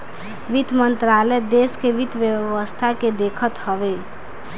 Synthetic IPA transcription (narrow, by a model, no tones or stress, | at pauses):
ʋit̪mənt̪ɾalɛd̪eskeʋid̪ʱʋjəʋəst̪ʰaked̪ekʰət̪həʋe